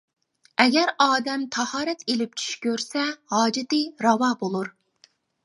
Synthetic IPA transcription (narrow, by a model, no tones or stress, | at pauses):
ɛɡʲɛɾɑːd̪ɛmt̪ʰɑhɑːɾɛt̪elɪp̚t͡ʃʰy̥ʃkʲøɾsɛhɑːd͡ʒɪt̪ɨɾɑwɑːbolˠuɾ